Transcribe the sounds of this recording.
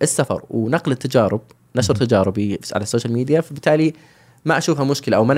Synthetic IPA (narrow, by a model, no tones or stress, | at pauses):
ʔɪsːafɑ̰ɾˤwnaqlɪt̪ːad͡ʒɑːɾɪb̥̚ | naʃɑɾt̪ad͡ʒɑːɾɪbiʕa̰lasːoːʃalmiːd̪ijafabɪt̪ːaːli | maʔaʃuːfhamʊʃkɪlaʔawman